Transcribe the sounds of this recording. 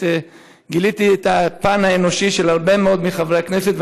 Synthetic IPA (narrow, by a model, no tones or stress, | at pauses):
ɡilit̪iet̪apanaeno̞ʃiʃelhaʁbe̞meo̞d̪miχavʁekneset̪v